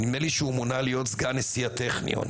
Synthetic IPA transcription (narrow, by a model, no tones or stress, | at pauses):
nimeliʃeumonalijo̞t̪zɡanesiateχnḭo̰n